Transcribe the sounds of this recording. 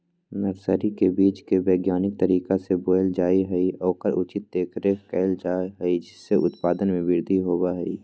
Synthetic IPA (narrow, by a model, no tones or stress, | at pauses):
nɐɾsəɾikebiːt͡ʃkebeːɡjaːnɪk̚t̪ɐɾiːkaseboːjld͡ʒaːiɦɛiɔːkəɾʊt͡ʃɪt̪̚d̪eːkʰɾeːkɛːld͡ʒaːɦɛid͡ʒɪsːeʔʊt̪paːd̪ənmẽʋɪɾd̪ʱiɦoːbaɦɛiː